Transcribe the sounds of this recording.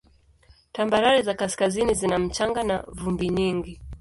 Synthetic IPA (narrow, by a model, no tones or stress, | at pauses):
tambaɾaɾizakasi̥kazinizinam̩t͡ʃaŋɡanavumbiɲiŋɡi